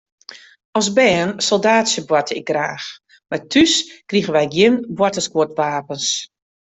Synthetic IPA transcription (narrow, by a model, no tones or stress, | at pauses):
ɔsbɛːnsɔlˠdaːtsjəbwɔtəɪɡ̚ɡraːx | matʰyskriɣəʋɛjɡjɪnbwɔtəskwotʋaːpəns